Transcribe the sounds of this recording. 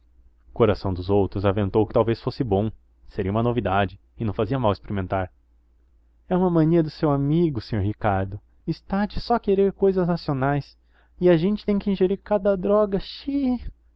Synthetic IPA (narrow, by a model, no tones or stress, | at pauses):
koɾasɐ̃w̃d̪ʊzowt̪ɾʊzavẽnt̪owkɪt̪awvesfosɪbõ | seɾiɐumɐnovid̪ad͡ʒɪ | ɪnɐ̃w̃faziɐmawespeɾimẽnt̪aɾ | ɛũmɐmɐ̃niɐd̪ʊsewamiɡʊsẽɲoɾɦikaɾd̪ʊ | ɪst̪ad͡ʒɪsɔkeɾeɾkojzɐznasionajs | ɪaʒẽnt͡ʃɪ̥t̪ẽj̃kɪĩʒeɾiɾkad̪ɐd̪ɾɔɡɐʃi